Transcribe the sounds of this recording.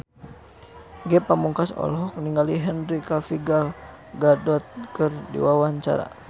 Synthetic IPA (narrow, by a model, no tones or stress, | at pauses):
ɡɛpamuŋkasɔ̰lɦɔk̚niŋɡaliɦɛnɾikafiɡal | ɡadɔt̪̚kɨrdḭwawaɲt͡ʃa̰ɾa̰